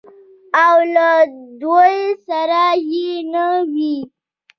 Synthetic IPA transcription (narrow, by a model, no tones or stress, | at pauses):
awlad̪ojsaɾajinəwi